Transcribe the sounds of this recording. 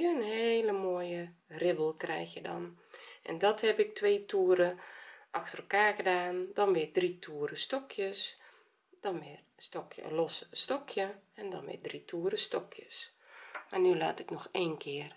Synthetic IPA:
ənheːləmoːəjərɪbəlˠkrɛjxjədɔ̰nʔɛ̰ndɔthɛpɪk̚tʋeːtʰuəɾəʔɑxtərəlˠkaːrɣədaːndɔnʋɪːdritʰuːəɾəstɔkʰjəs | d̥ɔnʋɪrstɔkʰjə̰lɔsstɔkʰjəɛndɔ̰nʋɪ̰dritʰuːəɾəstɔkʰjəs | marnyla̰ːtɪknɔxeːnkʰɪər

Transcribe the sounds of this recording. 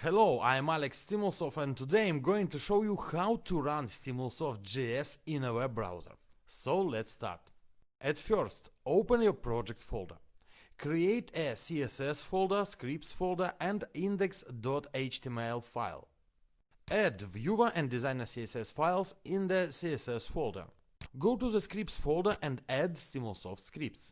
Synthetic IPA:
hɛloʊa̰jə̃mælɛkstiməlˠsɔfɛ̃nt̪udeɪãjmɡoɪ̃ŋt̪uʃoʊjuhawtʰuɹãnstimulˠsɔft̚d͡ʒiɛsɪ̃nəwɛbːɹa̰wzə̰˞soʊlɛtsta̰ɹt | ʔɛtfɜɹstoʊpə̃njɔɹpɹɔd͡ʒɛk̚tfolˠdə̰˞kɹieɪtʰəsiɛsɛsfolˠdə˞skɹip̚tsfolˠdə˞ʔɛ̃ndĩndɛksdɔteɪt͡ʃt̪ʰimeɪlˠfa̰ɪlˠ | ædvjuvə˞ʔɛ̃ndɪzãj̃nə˞siɛsɛsfaɪlˠsɪ̃nðəsiɛsɛsfɔlˠdə̰˞ | ɡoʊtuðəskɹip̚tsfolˠdə˞ʔɛ̃ndædsĩməl̩ˠsɔ̰ftskɹip̚ts

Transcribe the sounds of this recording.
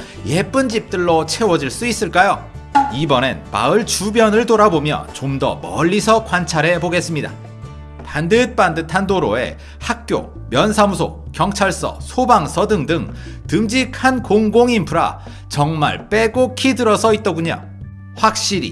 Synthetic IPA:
je̞p͈ɯnd͡ʑip̚t͈ɯɭːot͡ɕʰe̞wʌd͡ʑiɭs͈uis͈ɯɭk͈ajo | ibʌnḛnma̰ɯɭt͡ɕubjʌnɯɭtoɾabomjʌ̰t͡ɕomdʌ̰mʌʎːisʰʌkwant͡ɕʰaɾɦe̞boɡe̞s͈ɯmɲida̰ | tandɯt̚p͈andɯtʰandoɾoe̞̰ | hak̚k͈jo̰ | mjʌnsʰamusʰo̰kjʌŋt͡ɕʰaɭs͈ʌ̰sʰobaŋsʰʌdɯŋdɯŋ | tɯmd͡ʑikʰankoŋɡoŋimpʰɯɾa̰ | t͡ɕʌŋma̰ɭp͈e̞ɡokʰidɯɾʌsʰʌit̚t͈ʌɡuɲo̰ | ɸwak̚ɕ͈iɾḭ

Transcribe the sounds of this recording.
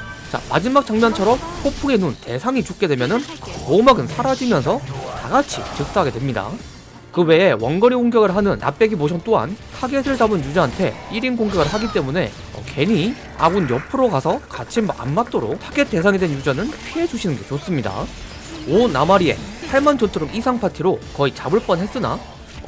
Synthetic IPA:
t͡ɕa̰ma̰d͡ʑimak̚t͡ɕ͈aŋmjʌnt͡ɕʰʌɾʌmhopʰuŋe̞nunte̞sʰaŋit͡ɕuk̚k͈e̞dwe̞mjʌnɯnmomaɡɯnsʰaɾad͡ʑimjʌnsʰʌtaɡat͡ɕʰḭt͡ɕɯk̚s͈aɦaɡe̞dwe̞mɲida̰ | kɯwe̞ewʌnɡʌɾioŋɡjʌɡɯɭɦanɯnːa̰p͈e̞ɡimoɕʰʌnt͈oɦa̰ntʰaɡesʰɯɭt͡ɕabɯnjud͡ʑaɦantʰe̞̰iɾimkoŋɡjʌɡɯɭɦaɡit͈e̞mune̞̰ | ʌ̰kʰe̞ɲi | a̰ɡunjʌpʰɯɾokasʰʌkat͡ɕʰima̰nmat͈oɾo̰tʰaɡe̞t͈e̞sʰaŋedwenjud͡ʑanɯnpʰiɦe̞d͡ʑuɕʰinɯnɡe̞t͡ɕos͈ɯmɲida̰ | onːamaɾie̞̰sʰaɭmand͡ʑʌntʰɯɾomisʰaŋpʰatʰiɾokʌit͡ɕabɯɭp͈ʌnɦes͈ɯna̰

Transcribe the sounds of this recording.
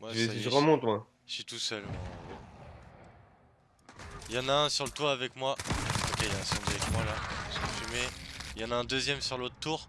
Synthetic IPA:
mwasaʁəmɔ̃t̪mḁ | sɥit̪usœlmɔ̃ | jɑ̃naɛ̃syʁlət̪waːvɛkmwaokʲejaɛ̃sɔ̃bavɛkmwalaʒfymejɑ̃naɛ̃d̪øzjɛmsyʁlot̪t̪uːʁ

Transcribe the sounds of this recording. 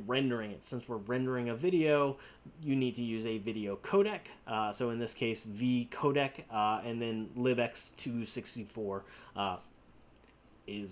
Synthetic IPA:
ɹɛ̃ndə˞ɪ̃ŋɨtsɪ̃nswəɹɹɛ̃ndə˞ɪ̃ŋɨvɪɾioʊ | jɨnid̚tʰɨjʉzɨvɪɾioʊkʰoʊɾɛksoʊɨ̃nðɪskʰeɪsvikʰoʊɾɛkɨ̃nðɨ̃nlɪbɛkstʰʉsɪkstifɔɹ | ɪz

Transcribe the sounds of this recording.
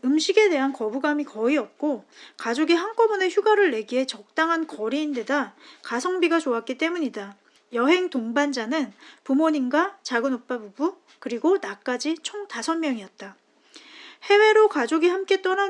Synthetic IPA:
ɯmɕʰiɡe̞de̞ɦankʌbuɡamikʌiʌp̚k͈okad͡ʑoɡiɦaŋk͈ʌbune̞çjuɡaɾɯɭːe̞ɡiɦe̞t͡ɕʌk̚t͈aŋɦankʌɾiːnde̞dakasʰʌŋbiɡat͡ɕoak͈̚it͈e̞muɲida | jʌɦe̞ŋtoŋband͡ʑanɯnpumoɲinɡwat͡ɕaɡɯnok̚p͈abubu | kɯɾiɡonak͈ad͡ʑit͡ɕʰoŋtasʰʌnmjʌŋiʌt̚t͈a | he̞we̞ɾokad͡ʑoɡihamk͈e̞t͈ʌna

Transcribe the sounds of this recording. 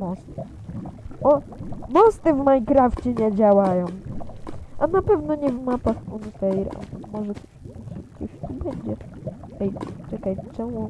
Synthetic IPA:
mɔst̪ | ʔɔmɔst̪ɘvmajkɾaft͡ɕɛɲɛd͡ʑawajɔ̃w̃ | ʔanapɛvnɔɲɛvmapaxunfɛjɾa̰mɔʐɛtɔʂɛt̪kɔɕibɛɲd͡ʑɛɛjt͡ʂɛkajt͡ʂɛw̃u

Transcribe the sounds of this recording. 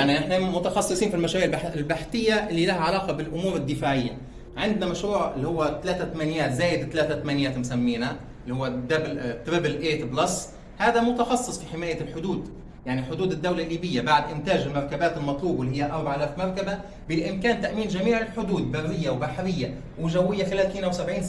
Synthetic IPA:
jaʕniʔɪħnamʊt̪ɑxɑsˤːɨsˤiːnfilmæʃaɾiːʕlɪlbaħt̪ɪjːæʔɪlːiːlæhæʕalɑːqɑbɪlʔʊmuːɾɪd̪ːɪfaːʕɪjːæ | ʕɪnd̪næmæʃɾuːʕɪlːihʊwːæt̪ælæːt̪æt̪æmænjæːt̪zæːjɪd̪t̪ːælæːt̪æt̪æmænjæːt̪mʊsæmːiːnæ | lːihʊwːæd̪æblt̪ɾɪblʔeːt̪blɑsˤː | haːd̪amʊt̪ɑxɑsˤːɨsˤfiħɪmaːjalħʊd̪uːd̪ | jaʕniħʊd̪uːd̪ɪd̪ːawlalːiːbɪjːabaʕd̪ʔɪnt̪aːd͡ʒɪlmɑɾˤkabaːt̪ɪlmɑt̪ˤluːbɪlːihɪjːaʔɑɾˤbaʕʔalaːfmɑɾˤkaba | bɪʔɪmkaːnt̪aʔmiːnʒamiːʕɪlħʊd̪uːd̪barːɪjːawbaħɾɪjːa | wɪʒæwːɪjːaθalæːt̪miːnawsabʕiːns

